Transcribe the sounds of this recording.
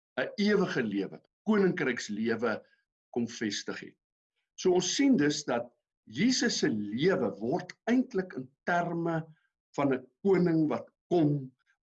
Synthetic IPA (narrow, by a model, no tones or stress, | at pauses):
əiəvəχəliəvə̰əkuənəŋkrɛjksliəvə | kɔmfɛstəχɛ̰t̚ | suəɔ̃nsːindəsdɐt̚ | jiːsəsəliəvəvɔrtɛjntləkəntærmə | fɐnəkuənəŋvɐtkɔm